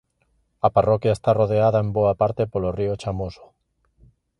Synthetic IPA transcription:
aparɔkjaest̪aroðeaðaemboapaɾt̪epoloriot͡ʃamoso̥

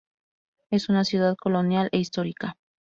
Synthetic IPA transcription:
e̞sunasjuðaðkolonjalʔeist̪oɾika

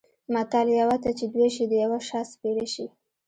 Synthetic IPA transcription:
mat̪aljawat̪at͡ʃed̪weʃid̪əjawaʃɑspeɽaʃi

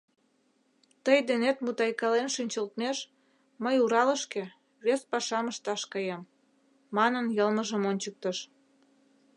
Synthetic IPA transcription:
t̪əjd̪enet̪mut̪ɑjkɑlenʃynʲt͡ɕəlt̪meʃ | məjuɾɑləʃke | βespɑʃɑməʃt̪ɑʃkɤjemː | ɑnənjəlməʒəmonʲt͡ɕək̚t̪əʃ

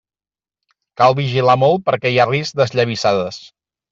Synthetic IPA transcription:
kalˠβiʒilamɔlˠt̪̚pəɾkɛiarizd̪əzʎəβ̞isaðəs

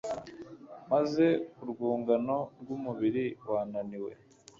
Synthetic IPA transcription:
maze̞uɾɡuːŋɡano̞ɾɡumuβiɾiwaːnaniwe̞̰

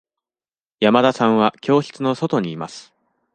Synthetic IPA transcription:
jamad̪asãɰ̃βakʲo̞ːçi̥t͡sɨno̞so̞t̪o̞ɲ̟iːma̰sɨ̥

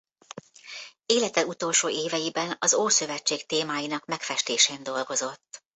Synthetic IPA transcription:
eːlɛt̪ɛlut̪oːlʃoːeːvɛjibɛnɒzoːsøvɛt͡ʃːeːkt̪eːmaːjinɒkmɛkfɛʃt̪eːʃeːnd̪o̞lɡo̞zo̞t̪ː

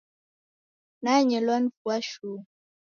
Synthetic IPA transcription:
naɲɛlwan̩fuaʃuː

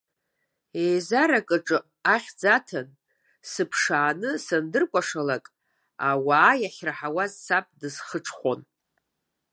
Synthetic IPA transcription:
ejzaɾakʼɨʈ͡ʂʼɨ | aχʲd͡zatʰan | sɨpʰʂaːnɨsɨndɨrkʷʼaʂalakʼ | awaːjaχʲraħawazsapʼdɨzχəʈ͡ʂʰχʷo̞n

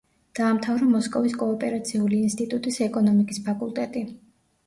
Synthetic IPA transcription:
d̪̥aːmt̪ʰavɾɔmɔskʼɔviskʼɔːpʼɛɾat̪sʰiuliːnst̪ʼit̪ʼut̪ʼisɛkʼɔnɔmikʼispʰakʼulˠt̪ʼɛt̪ʼi

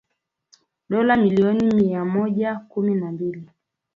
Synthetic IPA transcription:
ɗɔlamiliɔnimiamɔʄakuminambili

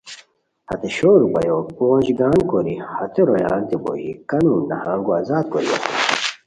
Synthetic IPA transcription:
hɐ̰t̪eɕoːɾubɐ̰joɡoːnʑɡaːnkoɾihɐt̪eɾojaːnt̪ibo̰jikɐnunːɐhaːŋɡuazaːt̪̚koɾiɐ̰tu

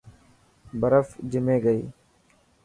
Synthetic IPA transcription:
bəɾəfd͡ʒɪmeːɡəḭː

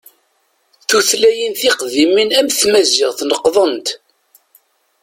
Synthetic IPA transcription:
θuθlæjənθɪqðiminæmθmæzɪʁθnəqːðˤənt̪

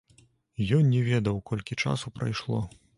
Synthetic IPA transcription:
jɔnnʲɛvʲɛd̪ɐwkɔlʲkʲit͡ʂa̰supɾɐ̰jʂlˠɔ

